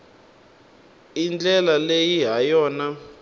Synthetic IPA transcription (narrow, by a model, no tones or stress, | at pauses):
ind͡ɮɛlalejiɦajɔːna